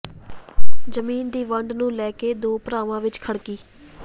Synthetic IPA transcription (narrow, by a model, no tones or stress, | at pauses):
d͡ʒəmiːnd̪iːʋəɳɖnũːlɛːkeːd̪oːpɾaːʋãːʋɪt͡ʃkʰəɽkiː